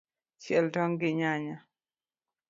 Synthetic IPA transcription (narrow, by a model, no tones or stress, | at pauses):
t͡ʃjɛldɔŋɡɪɲaɲa